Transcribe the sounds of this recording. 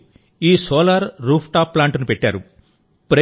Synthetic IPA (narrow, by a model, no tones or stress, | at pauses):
iːsɔːlaːɾɾuːpʰʈaːpːlaːɳʈunupeʈːa̰ːɾu | pɾɐ